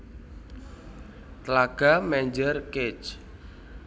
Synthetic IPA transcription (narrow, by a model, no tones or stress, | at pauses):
t̪əlaɡ̥a̤mɛɲd͡ʒərket͡ʃ